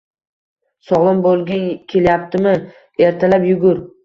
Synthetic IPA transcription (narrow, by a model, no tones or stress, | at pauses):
sɒʁlˠɪmbolˠɡʲankʲʰe̞ljap̚t̪ʰɪmɪ | e̞ɾt̪ʰalapjʊɡʊɾ